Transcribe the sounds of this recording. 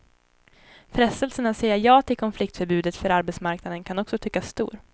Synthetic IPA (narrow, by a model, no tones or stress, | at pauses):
fɾɛst̪əlsənasɛjajɑːt̪ʰɪlkʰɔnflɪk̚t̪fœɾbʉ̟ːd̪ət̪fœɾaɾbɛt̪smaɾknad̪ənkʰanɔksɔt̪ʰʏkːasːt̪ṵːɾ